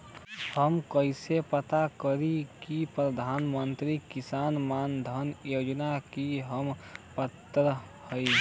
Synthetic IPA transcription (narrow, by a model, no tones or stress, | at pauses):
həmkəɪsepət̪akəɾikipɾəd̪ʱanmənt̪ɾikisanmand̪ʱənjod͡ʒnakiɦəmpət̪ːɾə | həɪ